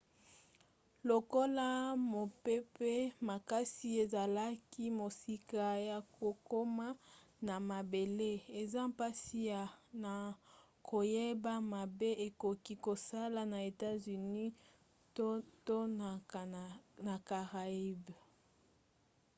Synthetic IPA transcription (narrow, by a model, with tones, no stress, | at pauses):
lo˨ko˦la˦mo˨pe˦pe˦ma˨ka˦si˦e˨za˨la˦ki˦mo˨si˨ka˨ja˨ko˨ko˦ma˦ | na˨ma˨be˨le˦e˨za˦mpa˦si˦a˨na˨ | kʰo˨je˦ba˦ma˨be˦ʔe˨ko˨ki˦ko˨sa˦la˨na˨e˨ta˦zy˨ni˦ | to˦˨ | na˨ka˨ʁa˨i˦b